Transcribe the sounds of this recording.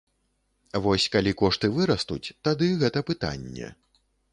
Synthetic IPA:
vɔsʲkalʲikɔʂt̪ɨvɨɾɐst̪ut͡sʲt̪ad̪ɨɣɛt̪ɐpɨt̪a̰nʲːɛ̰

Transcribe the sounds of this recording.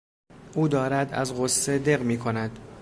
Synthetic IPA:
ʔuːd̪ɒːɾæd̪æ̰zɢosːed̪e̞ɣmiːkʰo̞næd̪̥

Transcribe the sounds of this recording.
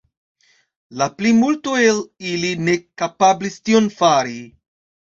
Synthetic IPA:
laplimultoeliline̞kapablistionfaɾi

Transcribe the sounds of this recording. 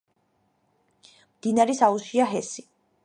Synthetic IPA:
md̪̥inaɾɛsausiaɦɛsi

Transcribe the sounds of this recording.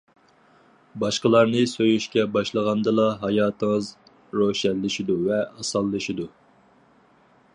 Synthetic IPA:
bɑʃqəlˠɑɾnɨsøjyʃkʲɛbɑʃlˠəʁɑnd̪ɨlˠɑɦɑjɑːt̪ʰəŋəz | ɾoʃɛlːɪʃid̪uvɛɑsɑlˠːɨʃid̪u

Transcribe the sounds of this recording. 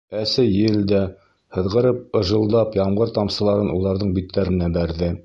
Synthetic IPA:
æsɘjɘ̆ld̪æ | hɤ̆ðʁɤ̆ɾɤp̚ɤ̆ʒɤ̆lˠd̪ɑpjɑmɢɤɾt̪ɑmsɤ̆lˠɑɾɤnulˠɑɾðɤɴbit̪ːæɾɘ̆næbæɾðɘ

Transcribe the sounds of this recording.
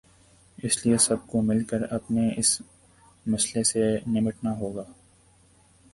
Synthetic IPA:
ɪsliesɐb̚komɪlkəɾɐpneɪs | mɐslesenɪməʈnaɦoːɡaː

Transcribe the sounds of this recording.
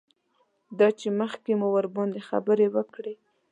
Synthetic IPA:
d̪ɑt͡ʃeməxkemuwəɾbɑnd̪exa̰bəɾewəkɽe

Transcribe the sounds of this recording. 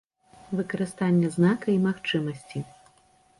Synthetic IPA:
vɨkɐɾɨst̪anʲːɐznakɐimaxt͡ʂɨmɐsʲt͡sʲi

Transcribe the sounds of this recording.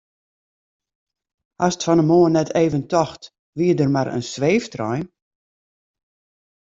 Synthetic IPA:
asətfɔnəmoənɛtʰeːvəntɔxt | ʋiədərmaɾə̰nsʋeːftrɔ̰jn

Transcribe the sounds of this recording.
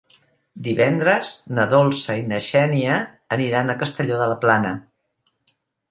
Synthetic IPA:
d̪iβɛnd̪ɾəznəðolˠsəinəʃɛniəː | niɾanəkəst̪əʎoðələplanə

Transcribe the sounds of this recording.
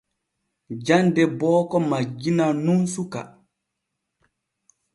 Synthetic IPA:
d͡ʒandɛbɔːkɔmad͡ʒːinanunsuka̰

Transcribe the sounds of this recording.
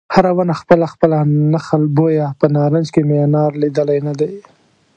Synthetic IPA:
haɾawanaxpəlaxpəlanaxalbojapənɑɾand͡ʒkemenɑɾlid̪əlajnad̪aj

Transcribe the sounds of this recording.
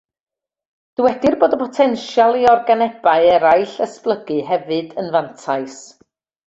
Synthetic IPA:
d̥əwɛdɪrboːdəpʰɔtʰɛnʃjalˠiɔrɡanɛb̥aɨɛɾajɬəsplˠəɡɨɦɛvɨdənvantʰaɨs

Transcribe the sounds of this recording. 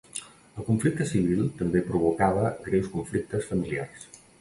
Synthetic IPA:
əlˠkuɱflik̚t̪əsiβ̞ilˠt̪əmbepɾuβ̞ukaβəɡɾewskuɱflik̚t̪əsfəmilia̰rs

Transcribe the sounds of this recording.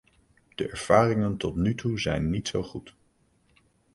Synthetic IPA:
d̥əʔɛɹv̥aːrɪŋəntɔtnytʰuzɛ̰jnːitsowχut

